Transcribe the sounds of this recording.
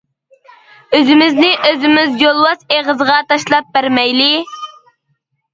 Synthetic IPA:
øzɪmɪznɪʔøzɪmɪzjolˠwɑseʁəzəʁɑt̪ʰɑʃlˠɑp̚bæɾmɛjlɪ

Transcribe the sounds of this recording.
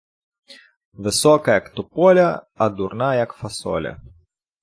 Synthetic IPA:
vɨsɔkɐjakt̪ɔpɔlʲɐ | ɐd̪urnajakfɐsɔ̰lʲɐ̰

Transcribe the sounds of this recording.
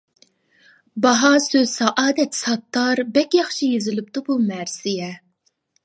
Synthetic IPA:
bɑɦɑsøzsɑʔɑːd̪ɛt̪sɑt̪ʰːɑɾbɛkʲjɑχʃʰijezɪlɪp̚t̪ɨbumɛɾsɪjɛ

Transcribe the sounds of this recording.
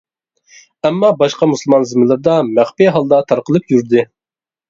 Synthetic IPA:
ɛmːɑbɑʃqɑmuslˠmɑnzɨmɨlˠɨɾd̪ɑmæχpiɦɑlˠd̪ɑt̪ʰɑɾqəlˠɨpjyɾd̪ɨ

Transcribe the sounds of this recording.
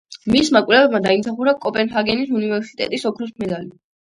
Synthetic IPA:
mismakʼlɛvɛbmad̪aimsaχuɾakʼɔpʼɛnɦaɡɛnisunivɛɾsi̥t̪ʼɛ̰t̪ʼisɔkʰɾɔspʰmɛd̪ali

